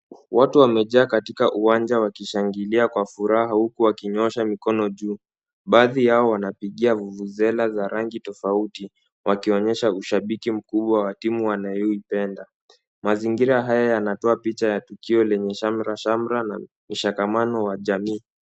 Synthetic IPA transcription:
watuwamɛʄaːkatikaʔuwand͡ʒawakiʃaŋɡiliakwafuɾaɦahukuwakiɲɔʃamikɔnɔʄuː | ɓaːðijaɔwanapiɠiavuvuzɛlazaɾaŋɡitɔfauti | wʔakiɔɲɛʃauʃaɓikim̩kuɓwawatimuwanajɔipɛnda | maziŋɡiɾaɦajajanatɔapit͡ʃajatukiɔlɛɲɛʃamɾaʃamɾana̰ | m̩ʃakamanɔwaʄamiː

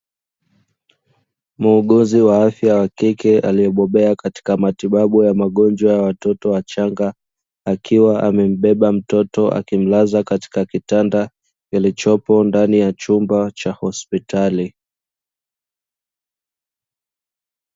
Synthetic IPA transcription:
muːɠuziwaafjawakikɛʔa̰liɔɓɔɓɛakati̥kamatiɓaɓujamaɠɔnd͡ʒwajawatɔtɔwat͡ʃaŋɡaː | kʰiwaʔamɛm̩ɓɛɓam̩tɔtɔʔa̰kim̩lazakati̥kakitanda | kilit͡ʃɔpɔndanijat͡ʃumbat͡ʃahɔspitʰali

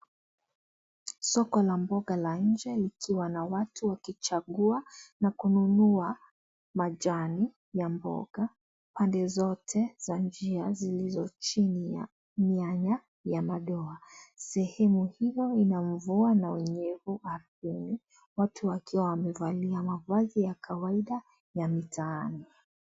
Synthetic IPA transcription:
sɔkɔlambɔɠalanɲ̩d͡ʒɛlikʰiwanawatʰuwakit͡ʃaɠuanakununua | mad͡ʒani | jambɔ̰ɡa | pandɛzɔtʰɛz̥and͡ʒiazilizɔt͡ʃinija̰ | miaɲa | jamaɗɔasɛhɛmuhijɔinaɱ̩vuanawɛɲɛvuaɾbini | watʰuwakʰiwawamɛvaliamavazijakʰawaiɗa | jamitʰaːni

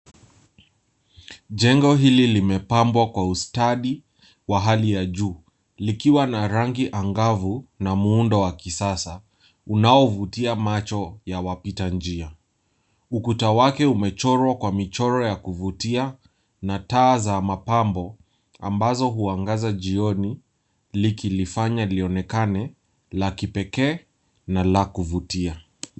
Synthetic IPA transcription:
ʄɛŋɡɔɦililimɛpambwakwaustaɗi | waɦalijaʄuː | likiwanaɾaŋɡiʔaŋɡavunamuundɔwakisasa | unaɔvutiamat͡ʃɔjawapitand͡ʒia | ukutawakɛumɛt͡ʃɔɾwakwamit͡ʃɔɾɔjakuvutia | nataːzamapambɔ | a̰mbazɔɦuaŋɡazaʄiɔni | likilifaɲailiɔnɛkanɛ | lakipɛkɛː | nalakuvutia

